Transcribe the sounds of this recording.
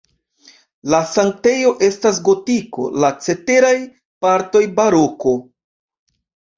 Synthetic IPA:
lasaŋk̚te̞jo̞ʔe̞stas̬ɡo̞tiko̞̰lat͡se̞te̞ɾaj | paɾto̞jbaɾo̞ko̞

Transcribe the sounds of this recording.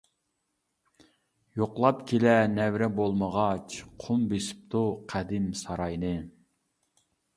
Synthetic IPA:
joqlˠɑpkʲʰelɛnɛwɾɛbolˠməʁɑt͡ʃqʰʊmbesi̥p̚t̪uqʰæd̪ɪmsɑɾɑjnɨ

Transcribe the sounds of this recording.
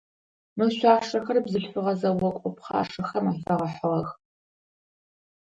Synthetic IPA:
mɨɕʷaːʂɐxɐrbzɨɬfʷɨʁɐzɐwɔkʷʼɔpχɑ̰ːʂɨxɐmafɐʁɐħəʁɐx

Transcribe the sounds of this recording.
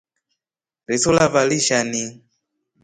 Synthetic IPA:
ɾisulavaliʃani

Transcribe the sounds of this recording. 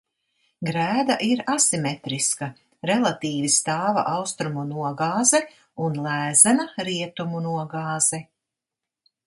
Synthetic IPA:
ɡɾæːd̪aʔiɾasimɛt̪ɾiska | ɾɛlˠat̪iːvist̪aːva̰ʔawst̪ɾumunuɔɡaːzɛ | unlˠæːzɛnaɾiɛt̪umunuɔɡaːz̥ɛ

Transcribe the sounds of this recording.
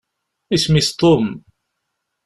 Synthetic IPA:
ismist̪ˤːom

